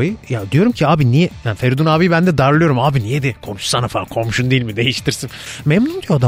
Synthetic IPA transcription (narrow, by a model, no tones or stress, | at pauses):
jɯjad̪ijo̞ɾumcʰiaːbinijɛjanfeɾd̪unaːbijbænd̪ɛd̪aɾlˠɯjo̞ɾumaːbinijɛd̪ikʰo̞nuʃsanafakʰo̞muʃund̪ijilʲmid̪e̞jiʃt̪ʰiɾsinmemnund̪ijoad̪a